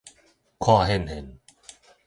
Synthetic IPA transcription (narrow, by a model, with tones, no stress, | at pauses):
kʰwa˥˧˨ɦɛ˥˧˨nhɛ˨n